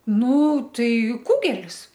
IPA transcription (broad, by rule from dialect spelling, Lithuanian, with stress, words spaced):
ˈnuː ˈtɐɪ ˈkʊɡʲɛlʲɪs